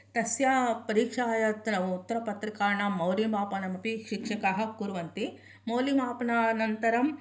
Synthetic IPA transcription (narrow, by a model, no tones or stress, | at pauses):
t̪ɐsjapɐɾiːkʂaːjɐt̪ɐnɐʋuːt̪ːɐɾɐpɐt̪ɾikaːɳamɐwlimaːpɐnɐmɐpiʃikʂɐkɐɦɐ̆kuɾuʋɐnt̪i | mɐwlimaːpɐnɐnɐnt̪ɐɾɐm